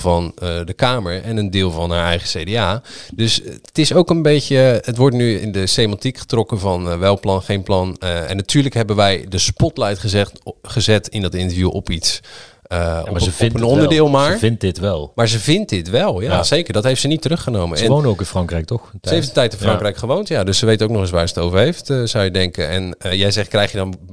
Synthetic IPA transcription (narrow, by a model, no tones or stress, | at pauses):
vɑnədəkaːməɹɛnəndɪːlˠvɑnaːɹɛjχəsejdeaːdɵstɪsowkənbejcəətʋɔɹtnyɪ̰ndəsejmɑntikχə̥trɔkəvɑnʋɛlˠplɑnχejnplɑnɛ̰nːatyːɹləkɦɛbənʋɛjdəspɔtlɛjtχəzɛχəzɛtɪndɑtɪntəɹfjuʔɔpits | ə̰əɪnpənɔndəɹdɪːlˠmaːɹɪntdɪtʋɛlˠmaːɹzəvɪnt̚dɪtʋɛlˠjaz̥ejkəɹdɑtɦejftsənitərɵχənowmənsɛənʋownəowkɪ̃nfrɑŋkrɛjk̚tɔsəejfdətɛjtɪnfrɑŋkrɛjkχəʋowntjadɵssəʋejtowknɔχɪs̬ʋaːɹzətowvəɹɦejftz̥ʌwjədɛŋkənɛ̰njɛjzɛχtkrɛjχjədɔn